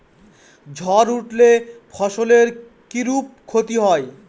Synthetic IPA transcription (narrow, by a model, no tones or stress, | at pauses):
d͡ʑʱɔɾuʈlepʰɔʃoleɾ | kiɾup̚kʰot̪iɦɔe